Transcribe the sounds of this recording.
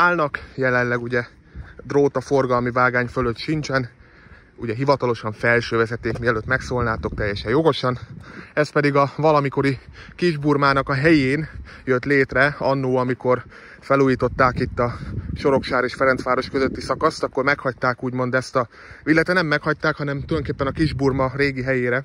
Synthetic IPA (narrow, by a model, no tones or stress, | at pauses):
aːlnɒkjɛlɛnlːɛɡuɟɛ | d̪roːt̪ɒfo̞rɡɒlmivaːɡaːɲføløt̪ʃint͡ʃɛn | uɟɛɦivɒt̪ɒlo̞ʃɒɱfɛlʃøːvɛzɛt̪ːeːkmiɛløːt̪mɛksoːlnaːt̪o̞k̚t̪ɛjːɛʃɛjo̞ɡo̞ʃɒnɛspɛd̪iɡɒvɒlɒmiko̞ɾikiʒburmaːnɒkɒɦɛjeːn | jøt̪leːt̪rɛɒnːuːɒmiko̞r | fɛluːjiːt̪o̞t̪ːaːkit̪ːɒʃo̞ɾo̞kʃaːɾeːʃfɛɾɛnt̪sʋaːɾo̞ʃkøzøt̪ːisɒkɒst̪ɒkːo̞rmɛkhɒc̚t̪aːkuːɟmo̞nd̪ɛst̪ɒ | ʋilːɛt̪ɛnɛmːɛkhɒc̚t̪aːkhɒnɛmt̪uljnŋkeːpːɛnɒkiʒburmɒreːɡiɦɛjeːɾɛ